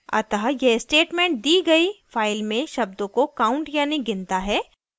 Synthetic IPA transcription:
ɐ̰t̪ɐɦajɛsʈeːʈmẽːɳʈ̚d̪iːɡɐifaːɪlmẽʃɐb̚d̪õkokaːʊ̃ɳʈjaːniɡɪ̃nt̪aɦɛː

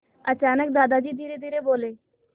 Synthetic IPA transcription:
ət͡ɕaːnək̚d̪aːd̪ad͡ʑiːd̪ʱiːɾed̪ʱiːɾeboːleː

